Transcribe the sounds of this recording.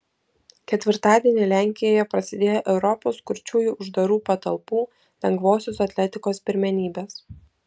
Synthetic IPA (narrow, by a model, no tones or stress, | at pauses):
kʲɛt̪ʲʋʲɪɾt̪ɑːd̪ʲiɛnʲɪlʲæːˑŋʲkʲɪjoːjɛpɾɐsʲɪd̪ʲeːjoʔɛʊɾɔpoːskʊɾʲt͡ʃʲuːjuːʔʊʒd̪ɐɾuːpɐt̪ɐlˠpuː | lʲɛŋɡʋoːsʲosɐt̪ʲlʲɛt̪ʲɪkoːspʲɪɾʲmʲɛnʲiːbʲeːs